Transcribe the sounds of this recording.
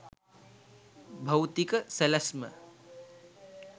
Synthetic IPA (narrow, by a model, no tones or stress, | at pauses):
bʱɐwt̪ikəsɐlɐsmɐ̰